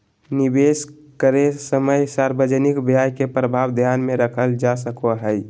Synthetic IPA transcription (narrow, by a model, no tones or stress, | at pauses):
nibes | kəɾesəməjsaɾbəd͡ʒənikbjajkepɾəbʱawd̪ʱjanmẽɾəkʰəld͡ʒasəkoɦəj